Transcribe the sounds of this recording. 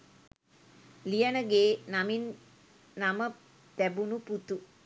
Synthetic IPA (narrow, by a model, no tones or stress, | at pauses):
lijənəɡeːnaminː | amə | t̪æbunuput̪u